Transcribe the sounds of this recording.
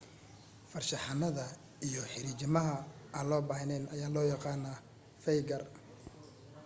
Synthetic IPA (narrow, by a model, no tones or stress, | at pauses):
fɐrʃɑħɑnɐðɐ | ijɔħɪɾiːt͡ʃɪmɐɦɐʔɐːnlɔːbaːɦɪnɛnɐjaːlɔːjɑqɑːnɐ | fɛjɡɐr